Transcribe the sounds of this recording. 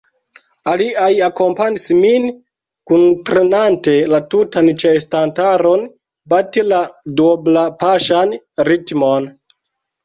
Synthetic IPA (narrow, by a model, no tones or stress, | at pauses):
aliʔajako̞mpaɲismin | kuntɾenante̞latutant͡ʃestantaɾo̞n | batiladoblapaʃanɾitmon